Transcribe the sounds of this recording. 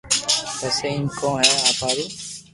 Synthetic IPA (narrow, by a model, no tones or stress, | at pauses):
pɛːseːɪnkõːɦɛːaːpʰaːɾiː